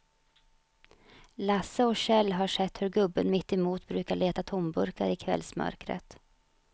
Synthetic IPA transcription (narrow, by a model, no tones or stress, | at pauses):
lasəɔɕɛlːɦaʂɛt̪ːhɵɾɡɵbːənmɪt̪ːɛmuːt̪bɾʉ̟ːkaɭeːt̪at̪ʰɔmbɵɾka̰ɾɪkʰvɛ̰lsmœ̰ɾkɾə̰t̪